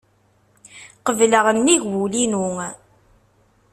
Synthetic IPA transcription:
qəvləʁəmːiʝwulinuŋ

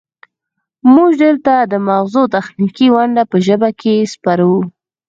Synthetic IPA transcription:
muʒɖəlt̪ad̪əmawzot̪axnikiwaɳɖapəʒəbakʰespaɾawu

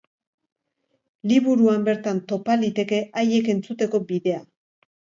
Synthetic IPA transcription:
liβuɾuambe̞ɾt̪ant̪o̞palit̪e̞ke̞ʔaje̞ke̞nt͡sut̪e̞ko̞biðe̞a

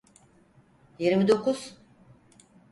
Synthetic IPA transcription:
jiɾmid̪o̞kʰuz̥

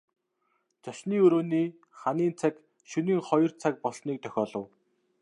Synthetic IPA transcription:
t͡saʃniːɵɾoːniː | χaniːnt͡sʰak | ʃɵniːŋχɔjɞ̆rt͡sʰak̚pɔɮsniːk̚t̪ʰœxʲɔːɮɞ̆w

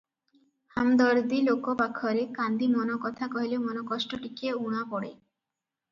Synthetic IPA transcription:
hamd̪ɔɾd̪ilokopakʰɔɾekand̪imɔnɔkɔt̪ʰakɔɦilemɔnɔkɔsʈoʈikeuɽ̃apɔɽe

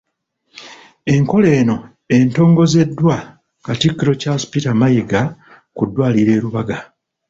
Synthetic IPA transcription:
e̞ŋko̞le̞ːno̞ | e̞nto̞ːŋɡo̞ze̞dːwa | katikːiɾo̞caspitamajeɡa | kudːwaːliɾe̞ːɾuβaɡa

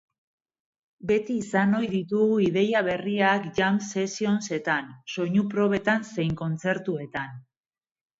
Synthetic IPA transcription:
be̞t̪iːsano̞jðit̪uɣuiðe̞jaβ̞e̞riakʝamse̞sio̞nse̞t̪anso̞ɲupɾo̞β̞e̞t̪anse̞jŋko̞nt͡se̞ɾt̪ue̞t̪an

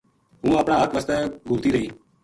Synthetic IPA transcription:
ɦũːəːpɽãːək̪ʰʋəst̪ɛ̃ːɡʱuɾt̪iːɾəiː

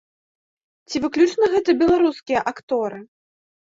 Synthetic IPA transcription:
t͡sʲivɨklʲut͡ʂnɐɣɛt̪ɐbʲɛlˠaɾuskʲijɐʔakt̪ɔɾɨ

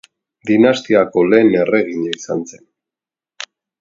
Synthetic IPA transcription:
d̪inast̪iako̞le̞ːne̞re̞ɣiɲaisanse̞n

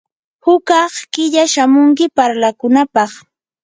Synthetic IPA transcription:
hʊkɑχkɪʎaʃamʊŋk̬ɪpaɾlakʊnapɑχ

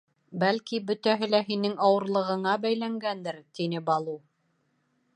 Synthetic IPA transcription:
bælkibɵ̆t̪æɦɘlæɦinɘŋɑwɤ̆ɾlˠɤ̆ʁɤ̆ɴɑbæjlæŋɡænd̪ɘɾt̪inɘbɑlˠu

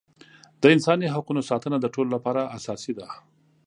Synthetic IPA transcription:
d̪̥əɪnsɑniɦaqunosɑt̪ənad̪əʈololapɑɾaʔasɑsid̪a

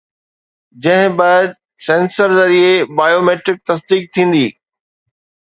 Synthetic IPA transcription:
d͡ʑɐ̃ɦɪ̃baːɪd̪̚ | sẽːnsəɾzɐɾiebaːjoːmeːʈɾɪk̚t̪ɐsd̪iːk̚t̪ʰĩːn̆d̪iː

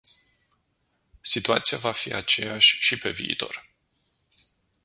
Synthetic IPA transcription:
sit̪uat̪sijavafiʔat͡ʃe̞jaʃʲʃipe̞viit̪o̞r

